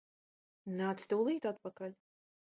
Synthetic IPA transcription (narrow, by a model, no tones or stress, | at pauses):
naːt̪st̪ɨwlˠiːt̪at̪̚pɐkɐlʲ